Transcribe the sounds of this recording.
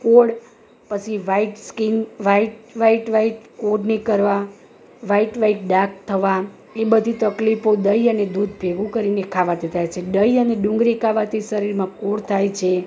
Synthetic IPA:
koɽ | pət͡ʃʰiʋaiʈskinʋaiʈʋaiʈʋaiʈkoɾnekəɾʋa | ʋaiʈʋaiʈ̚ɖak̚t̪ʰəʋa | ebəd̪ʱit̪əklifod̪əjəned̪ud̪ʱbʱeɡũkəɾinekʰaʋad̪et̪ʰajt͡ʃʰeɖəiəneɖũŋɡɾikʰaʋat̪ʰiʃəɾiɾmãkoɽt̪ʰajt͡ʃʰe

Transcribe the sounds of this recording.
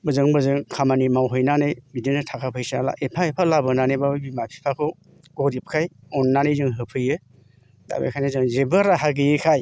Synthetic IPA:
bɯzɯŋbɯzɯŋkʰamanimawɦɯjnanɯjbidinɯtʰakʰapʰɯjsala̰ʔepʰaepʰalabɯnanejbabimapʰi̥pʰakʰɯ | ɡ̥ɔɾip̚kʰajɔnːanɯjzɯŋɦɯpʰɯjɯ | da̰bḛjkʰajnazɯŋzebɯɾaɦaɡɯjɯkʰaj

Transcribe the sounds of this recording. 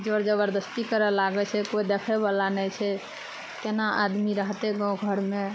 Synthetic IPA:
d͡ʒoɾd͡ʒəβəɾd̪əst̪ikəɾɛlaɡɛt͡ʃʰɛkoid̪ekʰɛbalanɛjt͡ʃʰɛ | t̪enaʔa̰d̪miɾəɦt̪eɡãwɡʱəɾme

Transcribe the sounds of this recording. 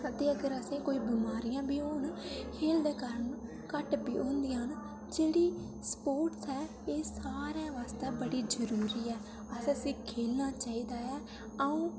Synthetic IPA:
ət̪eːəɡəɾəsẽːkoːiːbɪmaːɾijãːbiːoːnkʰeːld̪eːkəɾən | kəʈbiːõːnd̪ijãːɦn | d͡ʒeːɽiː | spoːɾʈsɛː | eːsaːɾãːʋaːst̪ɛːbəɽiːd͡ʒəɾuːɾiːɛː | əsẽːsĩːkʰeːlnaːt͡ʃaːiːd̪aːɛː | əũː

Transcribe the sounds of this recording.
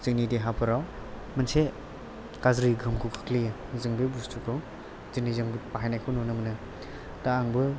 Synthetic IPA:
z̥ɯŋnidiɦapʰɯɾaw | manse | kazɾiɡʱɯmkʰukʰḁkli | zɯŋbɯbustʰukʰɯ | zɯŋ̚nizɯŋbɯpaɦajnajkʰɯwnunɯmɯnɯ | d̥aːŋbɯ

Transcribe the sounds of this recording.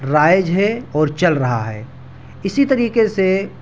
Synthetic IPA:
ɾaːjd͡ʒɦɛɔːɾt͡ʃɐlɾɐɦa̰ɦɛ̰ː | ɪsit̪ɐɾiːkese

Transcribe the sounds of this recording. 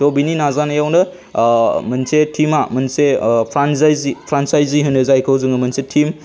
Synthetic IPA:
tɔbininazanajawnɯ | mɐnsetʰimamɐnsepʰɾansajzipʰɾansajziɦɯnɯzajkʰɯwzɯŋɯmɐnsetʰim

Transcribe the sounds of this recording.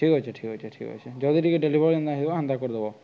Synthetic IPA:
ikɦojt͡ʃʰeʈʰikɦojt͡ʃʰeʈʰikɦo̰jt͡ʃʰed͡ʒɔd̪iʈikeɖelibʱɔɾɔnd̪aɦibɔɦɔnd̪akɔɾd̪ebɔ

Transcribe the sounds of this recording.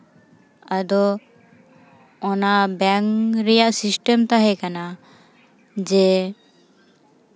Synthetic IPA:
ad̪ɔ | ɔnabɛŋɾɛjaʔsisʈɛmt̪aɦɛkana | d͡ʒɛ

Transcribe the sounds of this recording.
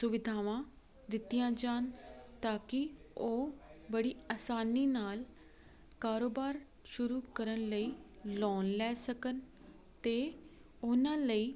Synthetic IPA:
sʊʋɪd̪ʱaːʋãː | d̪ɪt̪ːijãːd͡ʒaːn | t̪aːkɪ | oː | bəɽiːaːsaːniːnaːl | kaːɾoːbaːɾ | ʃʊɾuːkəɾənləiː | lɔːnlɛːsəkən | t̪eː | ʊnãːləiː

